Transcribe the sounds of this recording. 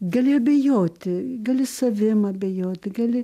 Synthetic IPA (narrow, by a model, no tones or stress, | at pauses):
ɡɐlʲɪɐbʲɛjoːt̪ʲɪɡɐlʲɪsɐʋʲɪmɐɐbʲɛjoːt̪ʲɪɡɐlʲɪ